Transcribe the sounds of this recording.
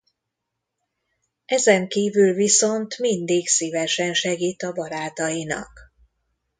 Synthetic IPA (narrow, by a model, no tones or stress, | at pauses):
ʔɛzɛŋkiːvylviso̞nt̪mind̪iksiːvɛʃɛnʃɛɡiːt̪ɒbɒɾaːt̪ɒjinɒ̰k